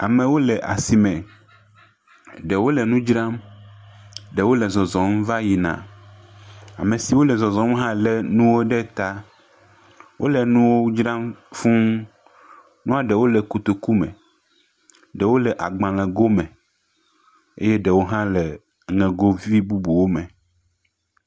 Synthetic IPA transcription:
a˨mɛ̃˨wo˦lɛ˨ʔa˨si˨mɛ̃˨ | ɖɛ˨wo˦lɛ˨nũ˦d͡ʒɾã˦m | ɖɛ˨wo˦lɛ˨zɔ˨zɔ˨m˦va˦ji˨nã̰˨ | a̰˨mẽ˨si˨wo˦lɛ˨zɔ˨zɔ˨˦mɦã˦lɛ˨nũ˦wo˦ɖɛ˦t̪a˦ | wʔo̰˦lɛ˨nũ˦wo˦d͡ʒɾã˦mfũ˦ | nũ˦a˨ɖɛ˨wo˦lɛ˨ku˨t̪o˨ku˦mɛ̰̃˨ | ɖɛ˨wo˦lɛ˨ʔa˨ɡ͡bã˨lɛ̃˨ɡo˦mɛ̃˨ | ḛ˦jɛ˦ɖɛ˨wo˦ɦã˦lɛ˨ | ŋɛ̃˨ɡo˦vi˦bu˦bu˨wo˦mɛ̃˨

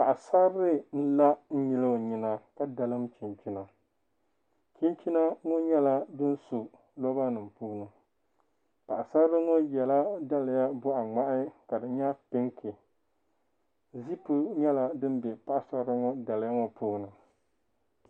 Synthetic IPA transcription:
pa˨ʔa˨sa˦ɾɾɨ˦n̩˦la˦n̩˦ɲi˦lɨ˦˨ɲi˨na˨ka˦da˨lɨ˦mt͡ʃi˨nt͡ʃi˦na˨ | t͡ʃi˦nt͡ʃi˦na˦ŋo˦ɲɛ˦la˦dɨ˦n˦su˨ | lɔ˦ba˦nɨ˨mpuː˦nɨ˨ | pa˨ʔa˨sa˦ɾɨ˦ŋo˦jɛ˨la˦da˦lɪ˨ja˦bʊ˦ʔa˨ŋ͡ma˦ʔɪ˦ka˨dɨ˨ɲa˦pɪ˦ŋkʰɪ˨ | zi˦pu˦ɲɛ˦la˨dɨ˦n˦bɛ˨pa˦ʔa˦sa˦ɾɨ˦ŋɔ˦da˨lja˦ŋɔ˨puː˦nɨ˨

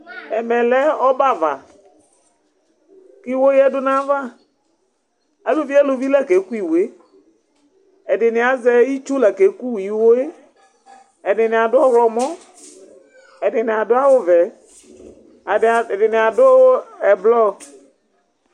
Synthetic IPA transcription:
ɛ˨mɛ˨lɛ˦ɔ˦ba˦˨va̰˨ | ki˦˨˦wo˦jɛ˦dʊ˦nã˦va˦˨ | a˨lo˨vi˦a˦lo˨vi˦la˦˨ke˨˦ku˦i˨we˦ | ɛ˨dɪ˨nɪ˨a˨zɛ˦ji˦t͡ʃu˦la˨ke˨˦ku˦˨ji˨˦wo˦e˦ | ɛ˨nɪ˨nɪ˨a˨dʊ˦ɔ˦ɣlɔ˨mɔ̃˦ | ɛ˨nɪ˨nɪ˨a˨dʊ˦a˦wʊ˦vɛ˨ | dɪ˨nɪ˨a˨dʊ˦ɛ˨blɔ˦

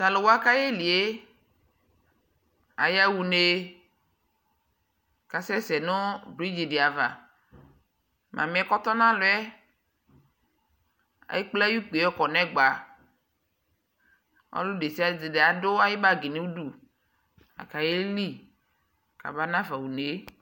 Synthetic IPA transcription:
sa˨lo˨wo˦a˦ka˦je˦li˨e˦ | a̰˨ja˦wu˨ne˨ | ka˨sɛ˦sɛ˨no˦bɾi˦d͡ʒi˨di˨a˨va˨ | mʔã̰˨mĩ˨˦ɛ˦kɔ˦t̪ɔ˦nã˦lo˨˦ɛ˦ | a̰˨je˦k͡ple˦a˦ju˦k͡pe˨ɛ˦kɔ˨nɛ̃˦ɡ͡ba˨ | ɔ̰˦lo˦ɖe˨si˦a˨d͡ze˨de˨a˨do˦a˦je˦ba˦ɡi˨nẽ˦wu˦ɖu˦ | a̰˨ka˨je˦li˦ | ka̰˨ba˦nã˦va˨wu˨ne˨˦

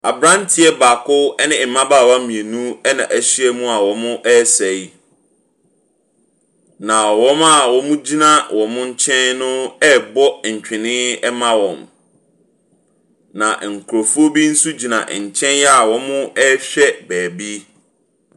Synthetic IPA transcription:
a˨bɾã˦ntʰɪ˦ɛ˦ba˨kʰʊ˦ɛ˦nɪ̃˨mã˦baː˦˨wa˦mĩ˨e˨nũ˦ɛ˦nã̰˨ʔæ˨ɕi˦ɛ˦mũ˦a˨wɔ˨mʊ̃˦ʔɛ˦sɛ˨i˦ | nã˨wɔ̃˦ma˦˨wɔ˨mũ˦d͡ʑi˦nã˦wɔ̃˨mʊ̃˦ɲ̩˦t͡ɕʰɛ̃˦nnʊ̃˦ɛ˦bɔ˦ɲ̩˨t͡ɕᶣɪ̃˨nɪ̃˦ɛ˦mã˦wɔ̃˨m | nã̰˨ŋ̩˨kʰu˨ɾo˨fu˦o˦bi˦n̩˦su˦d͡ʑi˨nã̰˨ʔɲ̩˨t͡ɕʰɛ̃˦njɛ˦a˨wɔ̃˨˦mʊ̃˦ɛ˦ɕᶣɛ˦bæː˨bi˦

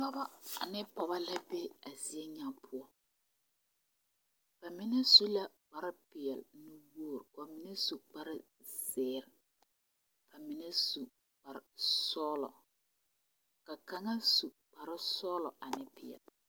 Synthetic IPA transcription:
nɔ˦ba˦a̰˨nɪ˦pɔ˨ba˦la˦be˦a˨zi˨e˦ɲa˦pʰʊ˦ɔ˦ | b̥a˨mɪ˦nɛ˦su˦la˦ | k͡pa˨ɾɪ˦pɪ˨ɛ˨lnɪ˦woː˦˨ɾka˨mɪ˨nɛ˦su˨k͡pa˦ɾɪ˦ | sɪː˦ɾɪ˨ | ba˨mɪ˨nɛ˦su˨ | k͡pa˨ɾɪ˨sɔː˦lɔ̰˨ | ka˨ka˨ŋa˦su˨ | k͡pa˨ɾɪ˦sɔː˦lɔ˨ʔa˨nɪ˦pɪ˨ɛ̰˨l

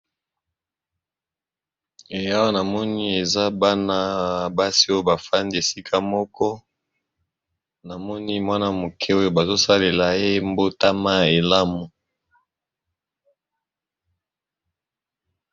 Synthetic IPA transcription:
e˨ja˦wa˦na˨mɔ˦ni˦e˨za˦ba˦na˦˨ba˦si˦o˦jo˦˨ba˨fa˦nde˨si˦kʰa˦mɔ˦kɔ˦ | na˨mɔ˦ni˦mwa˦na˦mo˨kʰɛ˦o˦jo˦ba˨zo˦sa˦le˨la˨e˦mbo˦ta˦ma˦e˨la˦mu˨

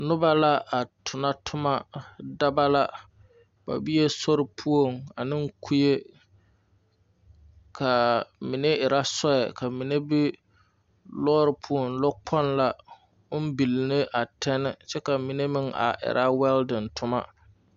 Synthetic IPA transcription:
nʊ˦ba˦la˦a˨tʰʊ˨na˦tʰʊ˦ma˦da˦ba˦la˦ | b̥a̰˨bi˦e˦so˦ɾɪ˨pʰu˦o˦˨ŋa˨nɪ˦ŋ˦kʰu˦je˦ | kʰa˨mɪ˨ne˦ɪ˨ɾa˦sɔ˦ɛ̰˨ka˨mɪ˨ne˦bɪ˦ | lɔː˦ɾɪ˨pʰu˦o˨ŋlɔ˦k͡pʰɔ˦nla˨˦ | m̩˦bi˨lɪ˨nɪ˦ʔa˨tʰɛ˦nɪ˦t͡ʃɛ˦ka˨mɪ˨ne˦mɪ˦ŋa̰˨ʔɪ̰˨ɾʔa˦wɛ˦ldɪ˨ntʰʊ˦ma˦

